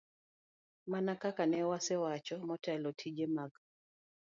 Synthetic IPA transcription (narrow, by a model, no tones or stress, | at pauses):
manakakanɛwasɛwat͡ʃɔmɔtɛlɔtʰid͡ʒemaɡ